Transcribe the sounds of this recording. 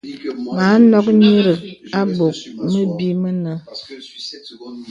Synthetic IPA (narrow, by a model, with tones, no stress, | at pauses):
ma˨˦nɔ˦k̚ɲi˦ɾə˨ka˦bo˨k̚mə˦bi˦mə˦nə˦